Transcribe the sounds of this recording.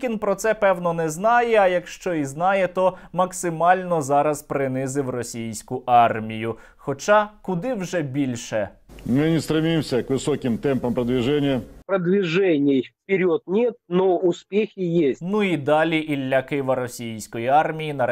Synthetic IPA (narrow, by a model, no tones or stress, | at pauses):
kʲinpɾɔt̪sɛpɛwnɔnɛznɑjɛɐjɐkʃt͡ʃɔiznɑjɛt̪ɔmɐksɪmɑlʲnɔzɑɾɐzpɾɪnɪzɪwrɔsʲijsʲkʊʔɑrmʲijʊ | xɔt͡ʃɑkʊd̪ɪwʒɛbʲilʲʃɛmɪnʲɪst̪ɾɪmʲimsʲɐkʋɪsɔkʲɪmt̪ɛmpɐmpɾɐd̪ʋʲɪʐɛnʲɪjɐpɾɐd̪ʋʲɪʐɛnʲɪffpʲɪɾʲɔt̪nʲɛt̪̚nɔʊspʲexʲɪjesʲnuid̪ɑlʲiʔilʲːɐkɪʋɐɾɔsʲijsʲkɔjiɑrmʲijinɐ